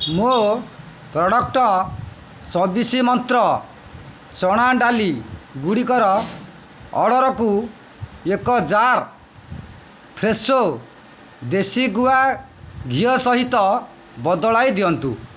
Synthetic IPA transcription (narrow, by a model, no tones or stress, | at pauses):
mo | pɾɔɽɔk̚ʈɔ | t͡ʃɔbisimɔnt̪ɾɔ | t͡ʃɔɽ̃aɖaliɡuɽikɔɾɔ | ɔ̰ɽɔɾɔku | ekɔd͡ʒaɾ | pʰɾeso | d̪esiɡua | ɡʱijɔsɔɦit̪ɔ | bɔd̪ɔɭajd̪iɔnt̪ṵ